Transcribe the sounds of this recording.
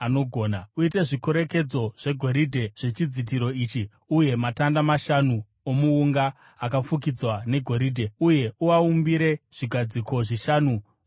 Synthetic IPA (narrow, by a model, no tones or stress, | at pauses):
ano̞ɡʱo̞ːnauite̞ʐiko̞ɾe̞ke̞d͡zo̞ʐ̥e̞ɡʱo̞ɾidʱe̞ʐ̥e̞t͡ʃid͡zit̬iɾo̞iːt͡ʃi | uje̞matandamaʃanu | omuuŋɡaː | kafuk̬id͡zwane̞ɡʱo̞ɾidʱe̞uje̞uwaumbiɾe̞ʐ̥iɡʱad͡ziko̞ʐiʃaːnu